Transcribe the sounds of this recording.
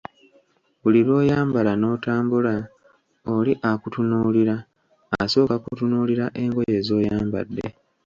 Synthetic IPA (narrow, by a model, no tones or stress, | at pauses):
βuliɾwo̞ːjaːmbalano̞ːtaːmbula | oliʔakutunuːliɾaː | so̞ːkakutunuːliɾaʔe̞ːŋɡo̞je̞ːzo̞ːjaːmba̰dːe̞̰